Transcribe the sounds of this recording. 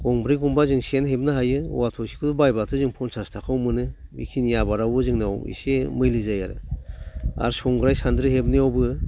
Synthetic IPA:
ɡ̥ɔŋbɾiɡumbazɯŋsenɦebnaɦajɯṵwatʰɔsi̥kʰudubajbatʰɯzɯŋpʰɔnsʰastʰakʰawmɯnɯbḭkʰinijabaɾawbɯzɯŋnɯa̰wḭsemɯjlɯzajaɾɯ̰ | a̰ɾsɔŋɡɾajsand̪ɾɯɦebnɯawbɯ

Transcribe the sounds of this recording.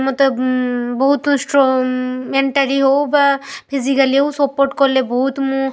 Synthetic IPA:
mɔt̪eboɦut̪sʈɹumeɳʈaɹiɦowbapʰizikaliewsɔpːoɾʈkɔɹleboɦut̪mũ

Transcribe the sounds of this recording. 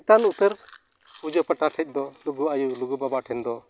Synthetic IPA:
t̪anut̪əɾ | ud͡ʒɔpəʈaʈʰɛc̚d̪ɔluɡuajuluɡubabaʈʰɛnd̪ɔ

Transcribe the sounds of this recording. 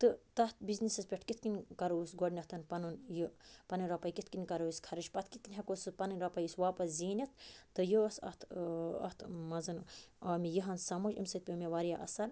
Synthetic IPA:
t̪ɨt̪ɐt̪̚biznisɐspʲeʈʰkit̪̚ʰkinʲkɐɾousɡoɖnʲɐht̪ɐnpɐnunjɨpɐnɨnʲɾɐpɐjkit̪kinʲkɐɾoiskʰɐɾɐt͡ʃpɐt̪ʰkit̪̚kinʲɦʲɐkosɨpɐnɨnʲɾapɐjisʋaːpɐsziːnʲɐt̪̚ːɨjoɐsɐ̰t̪ʰɐ̰ht̪ʰmɐzɨnɐːmʲijiɦɐnsɐmɐd͡ʒɐ̰mʲsɐt̪ʲpʲimʲeʋaɾijaʔɐ̰sɐɾ

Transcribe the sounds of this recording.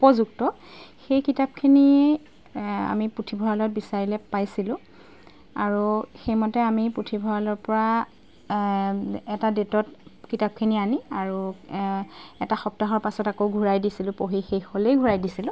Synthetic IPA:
upɔzuktɔ | xejkitap̚kʰini | a̰mipɹutʰibʱɔɹalɔt̚bisaɹilɛpajsilʊ̃ | aɹuxejmɔtɛamipɹutʰibʱɔɹalɔɹpɔɹa | ɛtadetɔtkitap̚kʰinianiaɹu | ɛtaxɔp̚taɦɔɹpasɔtakoɡʱuɹajdisilʊ̃poɦixejxɔlejɡʱuɹajdisilʊ̃

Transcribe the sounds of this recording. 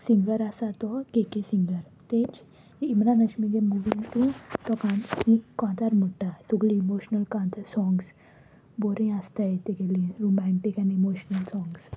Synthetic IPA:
sĩŋɡəɾasat̪ɔkekesiŋɡəɾ | t̪ed͡ʑ | imɾanəɕmĩd͡ʑemuʋĩŋɡʈut̪ɔkãnsĩkɔ̃t̪aɾmuʈːasuɡliimoɕnəlkãt̪ʰasɔ̃ŋɡs | boɾẽast̪ajet̪ekelĩɾumɛ̃ɳʈikɛ̃nimoɕnəlsɔ̃ŋɡs

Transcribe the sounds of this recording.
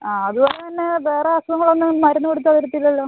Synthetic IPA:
aːɐðuboːlet̪ɐnːe̞ʋeːreɐsmɐŋːɐɭɐonːɨmɐɾɐnːukoɽut̪ːɐðɐɾɐt̪ːilːɐlːoː

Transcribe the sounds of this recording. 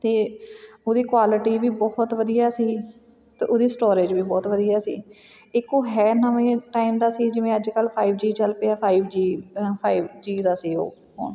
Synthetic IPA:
t̪eːoːd̪iːkwaːlɪʈiːʋiːbɔːht̪ʋəd̪ijaːsiː | t̪ḛʔod̪iːsʈoːɾeːd͡ʒʋiːbɔːt̪ʋəd̪ijaːsḭːɪkoːɦɛːnəmẽːʈaːimd̪aːsiːd͡ʒɪʋẽːəd͡ʒkəlpʰaːiːbd͡ʒiːt͡ʃəlpeaːpʰaːiːbd͡ʒiːpʰaːiːbd͡ʒiːd̪aːsiːo̰ː | ɦo̰ːn

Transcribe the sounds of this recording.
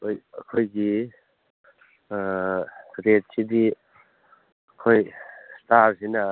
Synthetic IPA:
ojɐ̰kʰojɡi | ɾet̚sidi | kʰojstaɾsina

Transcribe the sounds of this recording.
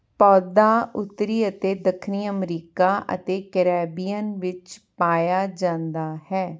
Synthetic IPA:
pɔːd̪aːʊt̪ːɾiːət̪eːd̪əkʰniːəmɾiːkaːʔə̰t̪eːkəɾɛːbijənʋɪt͡ʃpaːjaːd͡ʒãːnd̪aːhɛː

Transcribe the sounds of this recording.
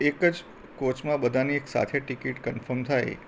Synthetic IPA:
ekəd͡ʒ | kot͡ʃmãbəd̪ʱanieksa̰t̪ʰeʈikiʈkənfəɾmt̪ʰaj

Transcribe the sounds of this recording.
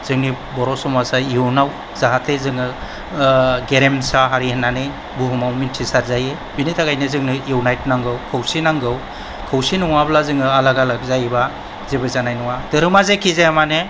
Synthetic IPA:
zɯŋni | bɔɾɔsɔmasaiunaw | z̥aɦatʰezɯŋɯ | ɡeɾemsaɦaɾihanːanɯj | buɦumawmintʰisaɾzaje | binitʰaɡajnɯzɯŋniuwnajt̚naŋɡɯwkʰawsinaŋɡɯw | kʰawsinɔŋablazɯŋɯalaɡalak̚zajba | zebɯzanajnɔwadɯɾɯmazekʰizajamane

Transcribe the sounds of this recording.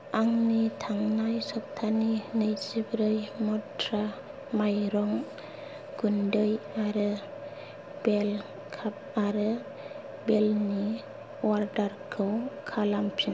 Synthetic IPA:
aŋnitʰaŋnajsɔp̚tʰaninɯjd͡ʒibɾɯjmɔtɾa | majɾɔŋ | ɡ̥undɯjaɾɯ | b̥el | kʰap̚baɾɯ | belni | waɾdaɾkʰɯwkʰalampʰin

